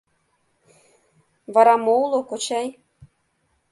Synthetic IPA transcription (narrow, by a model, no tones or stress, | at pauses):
vɑɾɑmoulˠokot͡ɕæj